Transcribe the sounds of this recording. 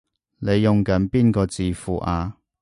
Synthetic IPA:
ne˨˧jːʊ˨ŋkɐ˨˥npiː˥nkɔː˧t͡siː˨fuː˨ʔaː˨˧

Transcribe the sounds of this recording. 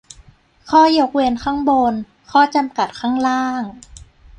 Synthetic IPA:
kʰɔː˥˩jo˧˩k̚we˧nkʰaː˥˩ŋbo˧n | kʰɔː˥˩t͡ɕa˧mka˨˩t̪̚kʰaː˥˩ŋɾaː˥˩ŋ

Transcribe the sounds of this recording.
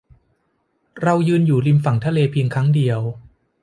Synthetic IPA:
ɾa˧wjɯː˧njuː˨˩li˧mfa˩˦ŋt̪ʰa˧leː˧pʰi˧ŋkʰa˦˥ŋdi˧əw

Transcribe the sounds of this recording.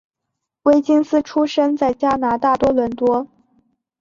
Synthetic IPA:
we˥ɪt͡ɕi˥ŋsɹ̩˥ʈ͡ʂʰu˥ʂə˥ŋt͡sa˥˩ɪt͡ɕja˥na˧˥t̪a˥˩t̪wɔ˥lwə˧˥nt̪wɔ˥

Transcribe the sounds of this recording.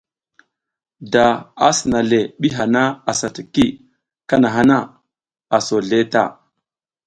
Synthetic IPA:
da˨a˦si˨na˨le˨ɓi˦ɦa˨na˦a˨sa˨ti˨ki˦ | ka˦na˨ɦa˦na˦ | a˨so˨ɮe˦ta̰˦˨

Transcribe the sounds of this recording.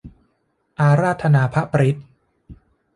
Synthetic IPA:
ʔaː˧ɾaː˥˩t̪ʰːa˧naː˨˦pʰa˦˥pɾi˦˥t̪̚

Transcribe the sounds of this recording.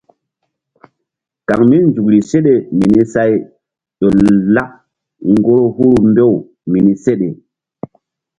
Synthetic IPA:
ka˨ŋmi˦nd͡ʒu˨kɾi˨se˦ɗe˨mi˨ni˦sa˦j | ɗo˨la˦k̚ | ŋɡo˦ɾo˦hu˦ɾu˦mbe˦˨w | mi˨ni˦se˦ɗe˨

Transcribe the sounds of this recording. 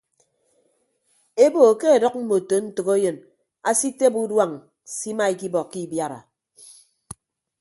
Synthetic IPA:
e˦bo˨ke˦e˨dɔ˦k̚m̩˦mo˨to˨n̩˦tɨ˨ko˦jɨ˨n | a˦si˦te˦bu˦dwa˦˨ŋ˨ | si˦ma˦i˨ki˦bɔ˨ki˦˨bja˨ɾa̰˨

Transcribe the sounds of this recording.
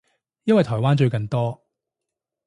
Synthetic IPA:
jɐ˥nwɐ˨jt̪ʰɔː˨˩jwaː˥nt͡ʃɵ˧ɥkɐ˨nt̪ɔː˥

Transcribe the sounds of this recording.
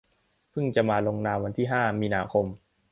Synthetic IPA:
pʰɯ˥˩ŋt͡ɕa˨˩maː˧lo˧ŋnaː˧mwa˧nt̪ʰiː˥˩ɦaː˥˩miː˧naː˧kʰo˧m

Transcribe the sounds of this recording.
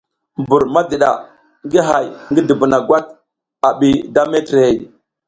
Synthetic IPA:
mbu˨ɾma˦də˨ɗa̰˨ | ŋɡi˦ɦa˨jŋɡi˦də˨bə˨na˨ɡʷa˦t̚ | a˨ɓi˨da˦me˦tɾe˨˦˨

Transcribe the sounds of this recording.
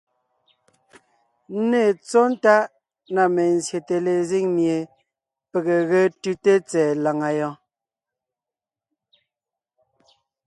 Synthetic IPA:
n̩˦ne˦˨t͡sɔ˦n̩˦ta˦ʔ | na˨me˨n̩˨zje˨te˨le˨zi˦ŋmje˨ | pe˨ɣe˨ɣe˦tʉ˦te˦t͡sɛː˨la˨ŋa˨jɔ̃˦

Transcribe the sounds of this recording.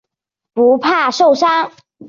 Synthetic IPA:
pu˧˥pʰa˥˩˧ʂo˥˩ʊʂa˥

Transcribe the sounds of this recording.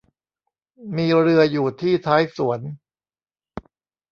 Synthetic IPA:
miː˧ɾɯ˧ɐjuː˨˩t̪ʰiː˥˩t̪ʰaː˦˥jsu˩˦ən

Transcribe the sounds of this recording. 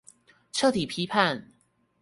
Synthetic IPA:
ʈ͡ʂʰɤ˥˨t̪ʰi˨˩pʰi˦˥pʰa˥˨n

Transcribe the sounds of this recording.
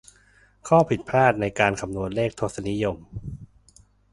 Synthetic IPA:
kʰɔː˥˩pʰi˨˩t̪̚pʰɾaː˥˩t̪̚na˧jkaː˧nkʰa˧mnu˧˩ət̪̚leː˥˩k̚t̪ʰo˦˥˩sa˧ni˦˥jo˧m

